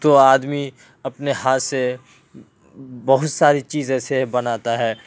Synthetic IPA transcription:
t̪oaːd̪mi | ɐpneɦaːt̪se | bɐɦʊt̪saːɾit͡ʃiːzɛːsebɐnaːt̪aɦɛː

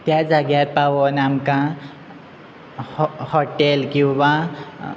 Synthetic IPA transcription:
t̪jad͡zaɡaɾpawonamkã | hoʈelkiwbã

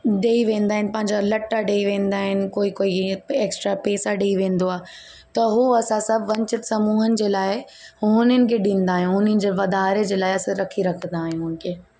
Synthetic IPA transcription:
ɗeːiʋẽːn̆d̪aːɦɪnɪ̆pɐ̃ɦɪ̃ɲd͡ʑalɐʈːaɖeːiʋẽːn̆d̪aːɦɪnɪ̆koːikoːieːksʈɾapeːsaɗeːiʋẽːnd̪oaː | t̪ɐɦuɐsãsɐ̃ʋɐ̃ɲt͡ɕəʈsɐmuːɦənɪ̆d͡ʑeːlaːɪ | ʊʊnənɪ̆kʰeɗĩːn̆d̪aːɦijũɦʊnənɪ̆d͡ʑeːʋɐd̪aːɾed͡ʑeːlaːɪɐsãɾɐkʰiɾɐkʰə̃nd̪aːɦɪ̃jũɦʊ̃ːn̆kʰeː

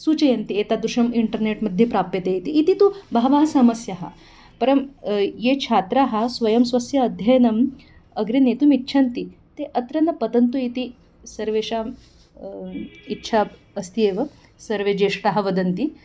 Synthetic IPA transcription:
sut͡ʃɐjɐnt̪iet̪ad̪uʂɐmiɳʈəɾneʈmɐd̪ʱjepɾapːet̪eit̪iːt̪it̪ubʱaʋaɦɐsamɐsjaɦɐ̰ | pɐɾɐmjet͡ʃʰat̪ɾaɦɐsʋɐjɐmsʋɐsjɐːd̪ʱjɐjnɐm | ɐɡɾinet̪umitːɕʰant̪i | t̪eʔət̪ɾɐnːɐpɐd̪ɐnt̪uit̪i | sɐɾʋeɕam | itːʃʰaː | st̪ieʋɐ | sɐɾʋed͡ʒeʂʈaɦɐ̆ʋɐd̪ɐnt̪i

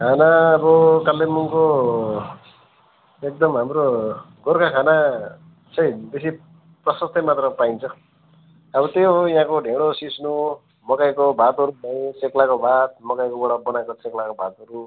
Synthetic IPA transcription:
kʰanaːbʌkalːemuŋko | ek̚d̪ʌmɦamɾo | ɡorkakʰana | t͡sʰʌjbesi | prʌsʌst̪ʌmat̪rʌpaint͡sʰʌː | bʌt̪eojɦãkoɖʱeɽ̃osisnu | mʌkajkobʱat̪ʌɾumajt͡seklakobʱat̪̚mʌkajkobʌɽabʌnakot͡seklakobʱat̪ʌɾu

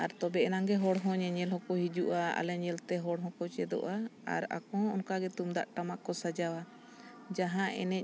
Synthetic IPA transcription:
aɾt̪ɔbɛʔɛnaŋɡɛɦɔɽɦɔ̃ɲɛɲɛlhɔ̃kɔɦid͡ʒuʔaa̰lɛɲɛlt̪ɛɦɔɽɦɔ̃kɔt͡ʃɛd̪ɔ̰ʔaa̰ɾa̰kɔɔnkaɡɛt̪umd̪aʔʈamaʔkɔsad͡ʒawa | d͡ʒaɦãʔɛ̰nɛc̚

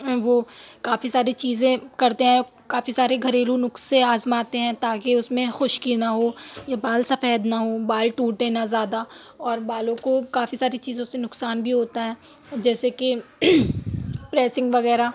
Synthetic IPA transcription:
ʋoː | kaːfisaːɾit͡ʃiːzẽkɐɾt̪eɦɛ̃ | kaːfisaːɾeɡʱɐɾeːlunʊkseaːzmaːt̪eɦɛ̃ːt̪aːkeʊsmẽxʊʃkinaɦoːjabaːlsɐfɛːd̪naɦoːbaːlʈuːʈ̪eːnazjaːd̪a | ɔːɾbaːlõkokaːfisaːɾit͡ʃiːzõsenʊksaːnbʱiɦoːt̪aɦɛ̃ː | d͡ʒɛːseke | pɾɛːsɪ̃ŋɡʋɐɣɛːɾa

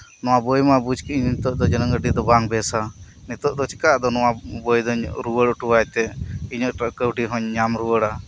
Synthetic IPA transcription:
nɔwabɔjmabud͡ʒkiɲnit̪ɔʔd̪ɔd͡ʒɛnəŋɡəɖid̪ɔbaŋbɛsa | nit̪ɔʔd̪ɔt͡ʃʰi̥kaʔd̪ɔnɔwabɔjd̪ɔɾuwəɽɔʈuwajt̪ɛiɲɔʔkəwʈiɦɔɲːamɾuwəɽa

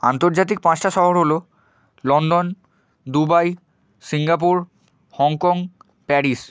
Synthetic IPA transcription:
a̰nt̪oɾd͡ʑat̪̬ik̚pãt͡ɕʈaʃɔɦoɾɦolo | lɔnɖon | d̪ubaj | siŋɡap̬uɾ | hɔŋkɔŋ | pɛɾis

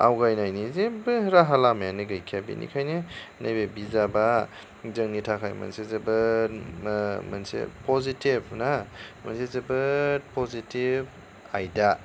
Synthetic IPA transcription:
a̰wɡajnajnizebɯɾaɦalamajanɯɡajkʰijabḭnḭkʰajnɯ | najbebizaba | zɐŋnitʰakʰajmɐ̰nsezɐbɯ | mɐnsḛpʰɔzitib̚ʰnamɐnsezɐbɯpʰɔzitib̚ | a̰jda

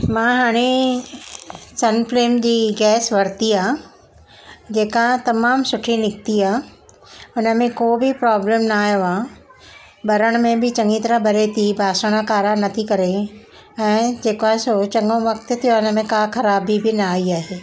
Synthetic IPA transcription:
mãɦaːɽ̃e | sɐnfleːmd͡ʑiːɡɛːsʋɐɾt̪iaː | d͡ʑeːkat̪ɐmaːmsʊʈʰinɪk̚t̪iaː | ʊnə̆mẽkoːbʱɪpɾaːblẽmnaːjoaː | bɐɾəɽ̃mẽbʱɪt͡ɕɐ̃ŋɡit̪ɐɾãbɐɾet̪ʰibʱaːʃəɽ̃akaːɾanɐt̪ʰikɐɾe | ɛ̃ːd͡ʑeːkʋaːsot͡ɕɐŋɡõʋɐkt̪t̪ʰijoaʊnə̆mẽkaːkʰɐɾaːbibʱɪnaːiaːɦeː

